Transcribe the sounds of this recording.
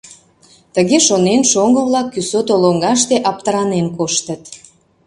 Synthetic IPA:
t̪əɣeʃonenʃoŋɡəβlɑkːysot̪oloŋɡɑʃ̬t̪eʔɑp̚t̪əɾɑnenkoʃt̪ət̪

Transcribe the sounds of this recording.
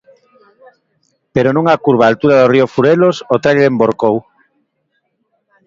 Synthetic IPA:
peɾonũŋakuɾβaːlt̪uɾaðoriofuɾelosot̪ɾaʎeɾemboɾkow

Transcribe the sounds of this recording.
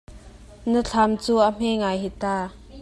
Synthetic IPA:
nət͡ɬʰamt͡suːʔəm̥ɛŋajɦit̪aː

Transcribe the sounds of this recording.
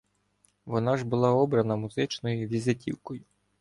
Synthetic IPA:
ʋɔnɑʒbʊlˠɑɔbɾɐnɐmʊzɪt͡ʃnɔjiʋʲizetʲʰḭwkɔjʊ

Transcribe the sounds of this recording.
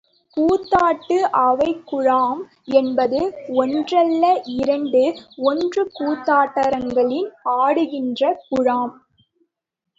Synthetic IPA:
kuːt̪ːaːʈːɯʔɐʋɐɪkːʊɻaːm | ɛnbɐðɯɔndrɐlːɐʔɪɾɐɳɖɯɔndrɯkuːt̪ːaːʈːɐɾɐŋɡɐɭɪnaːɽɯɣɪndrɐkʊɻaːm

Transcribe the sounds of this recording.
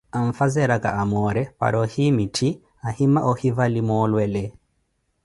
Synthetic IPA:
aɱfazɛɾakaamɔɾɛpa̰ɾɔhimitʰi | ahimaʔɔhivalimɔlwɛlɛ

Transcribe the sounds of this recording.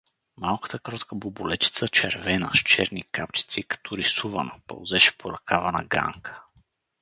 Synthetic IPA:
malˠkə̥t̪əkɾɔt̪kəbubulɛt͡ʃi̥t̪sət͡ʃɛ̰ɾvɛnə̰ʃt͡ʃɛ̰ɾnikapt͡ʃi̥t̪sikɐ̥t̪ɔɾisuvə̰nəpɐ̰lˠzɛʃɛ̥pʰoɾɐkavɐnə̰ɡa̰ŋkʰə̥

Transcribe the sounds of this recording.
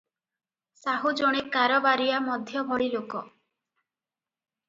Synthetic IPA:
saɦud͡ʒoɽ̃ekaɾɔbaɾiamɔd̪ʱjɔbʱɔɽilokɔ

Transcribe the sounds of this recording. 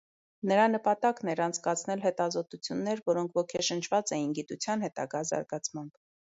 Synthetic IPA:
nəɾɑnəpɑt̪ɑknɛɾɑnt͡sʰkɑt͡sʰnɛlɦɛt̪ɑzɔt̪ut͡sʰjunːɛɾvɔɾɔŋkʰvɔkʰɛʃənt͡ʃʰvɑt͡sɛjinɡit̪ut͡sʰjɑnhɛt̪ɑ̰ɡɑzɑ̰ɾɡɑt͡sʰmɑmb̥

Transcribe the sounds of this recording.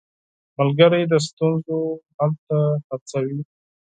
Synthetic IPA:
malɡəɾajd̪əs̬t̪unzohalt̪ahat͡sawi

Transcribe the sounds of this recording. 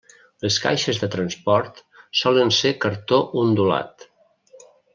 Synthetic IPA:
ləska̰jʃəzðət̪ɾənspɔɾt̪sɔlənsekəɾt̪oʔund̪ula̰t̪

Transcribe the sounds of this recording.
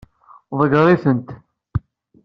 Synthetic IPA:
ðˤəɡəɾˤiθənt̪

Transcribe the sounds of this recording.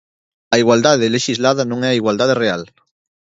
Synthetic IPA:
ɐiɣwald̪aðeleʃizlaðanõŋɛɐiɣwald̪aðereal

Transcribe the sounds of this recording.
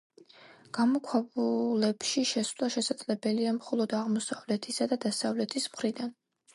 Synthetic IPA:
ɡ̥amɔkʰwɛbulɛpʃiʃɛsvlˠaʃɛsad̪z̥ʼlɛbɛliamχɔlˠɔd̪aʁmɔsavlɛt̪ʰisad̪ad̪asavlɛt̪ʰismχɾid̪an

